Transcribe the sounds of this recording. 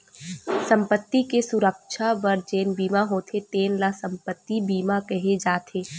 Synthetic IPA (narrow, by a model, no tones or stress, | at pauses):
sə̃mpət̪ːikesʊɾəkʃʰaʋəɾd͡ʒeːnbiːmaɦoːt̪ʰet̪eːnlasə̃mpət̪ːibiːmakɛɦed͡ʒaːt̪ʰeː